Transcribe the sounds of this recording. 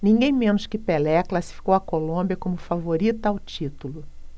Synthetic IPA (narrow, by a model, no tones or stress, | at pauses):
nĩŋɡẽj̃mẽnʊskɪpelɛklasi̥fi̥kowɐkolõbiɐkõmʊfavoɾit̪ɐawt͡ʃit̪ulʊ